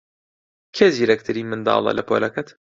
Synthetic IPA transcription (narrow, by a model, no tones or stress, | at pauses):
kʰeːziːɾɐkt̪ʰɨɾiːmɨnd̪ɑ̰ːlˠɐ̰lʔɐpʰo̰ːlɐkɐt̪